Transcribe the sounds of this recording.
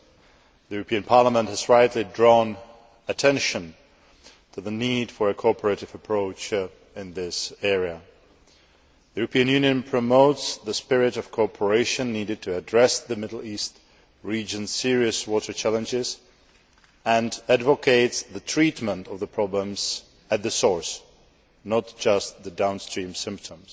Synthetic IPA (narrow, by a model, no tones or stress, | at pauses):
ðijʉɹəpʰĩɨ̃npʰɑɹləmə̃nt̚hɨzɹaɪtˡlidɹɔn | ɨtʰɛ̃nʃɨ̃n | tʰɨðənid̥fə˞ɨkʰɔɹpʰə˞ɨɾɨvəpʰɹ̥oʊt͡ʃ | ɪ̃nðɪsɛɹiɨ | ðijʉɹəpʰĩɨ̃njʉ̃njɨ̃npʰɹ̥ɨmoʊtsðɨspɪɹɪɾʌv̥kʰɔɹpʰə˞eɪʃɨ̃nːiɾɨd̚tʰɨːdɹɛsðɨmɪɾl̩ˠist | ɹid͡ʒɨ̃nsɪɹiɨswɔɾə˞t͡ʃʰælˠə̃nd͡ʒɪz | ɨ̃nædvəkʰeɪtsðɨtʰɹ̥itmə̃ntʌvðəpʰɹ̥ɑblə̃mz̥ | ɨt̪̚ðɨsɔɹs | nət̚d̥ʒ̥ʌs̚ðɨdãʊ̃nstɹ̥ĩmsɪ̃mp̚tʰə̃mz̥